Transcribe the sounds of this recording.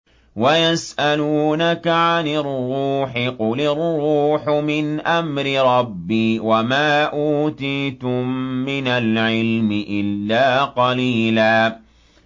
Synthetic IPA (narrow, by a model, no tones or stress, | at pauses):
wajasʔaluːnakaʕanɪrːuːħɪqʊlɪrˤːuːħʊmɪnʔamɾɪɾˤɑbːiːwamaːʔuːt̪iːt̪ʊmːɪnalʕɪlmɪʔɪlːaːqɑliːlaː